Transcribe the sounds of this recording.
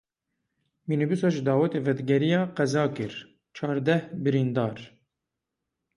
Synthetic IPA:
minibisɑʒd̪ɑːwɛt̪eːvɛd̪ɡɛɾijɑːqɛzɑːkɨɾ | t͡ʃʰɑːɾd̪ɛhbɨɾind̪ɑːɾ

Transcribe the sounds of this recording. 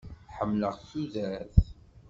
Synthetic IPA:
ħəmːləʁθuðæɾθ

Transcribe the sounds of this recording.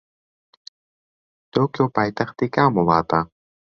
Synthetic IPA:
t̪owkopajt̪aχt̪ikaːmolˠaːt̪a

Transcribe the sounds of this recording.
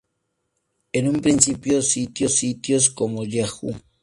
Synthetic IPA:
enumpɾinsipjosit̪josit̪jos̬komoʎaxṵ

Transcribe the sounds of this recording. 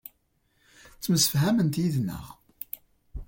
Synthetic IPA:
t͡sːməsə̥fɦæmənt̪jiðnːə̰ʁ

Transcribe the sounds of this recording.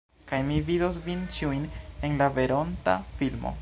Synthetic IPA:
kajmividos̬vint͡ʃiujne̞nlave̞ɾo̞nta̰filmo̞̰

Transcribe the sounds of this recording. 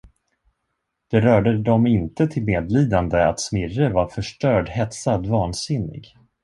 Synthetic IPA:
d̪̥ɛɾœːɖəd̪ɔmɪnt̪ət̪ʰɪlmeːd̪liːd̪and̪əa̰t̪smɪrəvaɾfœʂʈœːɖɦɛt̪sad̪vɑːnsɪnːɪ̰ɡ

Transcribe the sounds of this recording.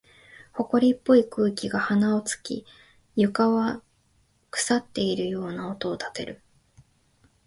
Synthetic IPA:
ho̞ko̞ɾʲipːo̞ikɯ̟ːkʲiɡahanaot͡sɨ̥kʲḭ | jɯ̟kaβa | kɯ̟̥sat̪ːe̞iɾɯ̟jo̞ːnaot̪o̞ːt̪ḁt̪e̞̰ɾɯ̟

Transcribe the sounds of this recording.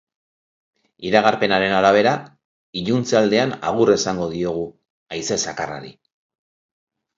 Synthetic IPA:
iɾaɣ̞aɾpe̞naɾe̞naɾaβ̞e̞ɾa | iʎunt͡sald̪e̞ana̰ɣ̞ure̞saŋɡo̞ðio̞ɣ̞u | ajse̞sakara̰ɾḭ

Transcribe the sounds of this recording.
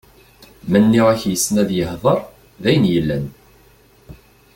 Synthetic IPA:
mənːiʁæçjəsːnæðjəhðˤəɾˤ | ðæjənjəlːæn

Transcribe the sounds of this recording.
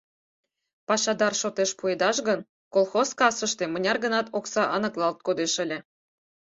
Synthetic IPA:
pɑʃɑd̪ɑrʃot̪eʃpued̪ɑʃɣən | kolˠxoskɑsə̆ʃt̪emə̆nʲɑrɣə̆nɑt̪oksɑʔɑnɤ̆klˠɑlt̪̚kod̪eʃə̆lʲĕ

